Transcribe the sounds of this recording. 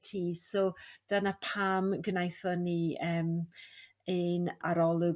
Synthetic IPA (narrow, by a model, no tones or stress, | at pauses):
tʰiːsɔd̥anapʰaːmɡnajθɔniəːm | ɨnaɾɔlˠʊ